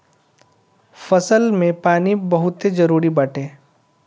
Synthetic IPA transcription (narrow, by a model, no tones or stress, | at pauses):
fɐsəlmẽpaːnibɐɦʊt̪ed͡ʒɐɾuːɾibɐʈʰẽː